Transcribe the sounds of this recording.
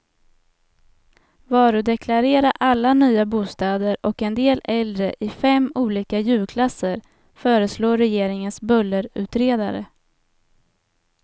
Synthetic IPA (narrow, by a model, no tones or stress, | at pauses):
vɑːɾɵd̪ɛkʰlaɾeːɾaʔalːanyːabuːst̪ɑːd̪əɾɔkɛnd̪eːlɛld̪ɾəʔɪfɛmːuːliːkajʉ̟ːlkʰlasːəɾ | fœːɾəsloːɾɛjeːɾɪŋənsbɵlːəɾʉ̟ːt̪ɾeːd̪a̰ɾə̰